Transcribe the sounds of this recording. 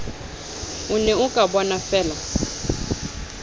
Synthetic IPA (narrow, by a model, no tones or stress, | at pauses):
unɛukʼabɔnafɛːla